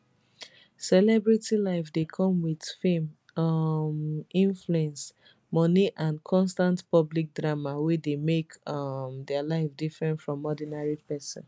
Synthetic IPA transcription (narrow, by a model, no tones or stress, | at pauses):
sɛlɛbɹitilaɪfdekʰɔ̃mwið̥fẽm | mĩɱfluɛ̃ns | mɔniʔãnkʰɔ̃nstãntpɔblik̚dɹamawedemekʌmdɛalaɪfdifɹɛ̃ntfɹɔ̃mɔdinaɹipɛsɔ̰̃n